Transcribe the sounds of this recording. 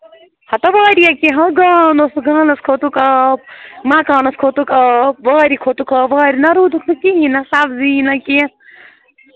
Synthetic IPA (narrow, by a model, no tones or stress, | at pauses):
hɐt̪ɐʋaːɾijakĩɦɐ̃ɡaːnosɡaːnɐskʰot̪ukɐp̚mãkaːnɐskʰot̪ukɐp̚ʋaːɾikʰot̪ukʰɐʋaːɾinɐɾuːd̪ukʰnukiɦĩnasabziːnɐkĩ